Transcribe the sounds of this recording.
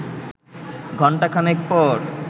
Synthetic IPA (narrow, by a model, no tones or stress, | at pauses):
ɡʱɔɳʈakʰanek̚pɔɾ